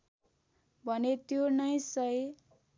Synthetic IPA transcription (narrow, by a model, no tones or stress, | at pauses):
bʱʌnet̪jonʌjsʌe